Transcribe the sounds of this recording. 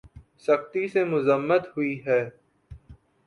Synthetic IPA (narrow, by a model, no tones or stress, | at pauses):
sɐxt̪isemʊzəmːət̪ɦʊiɦɛː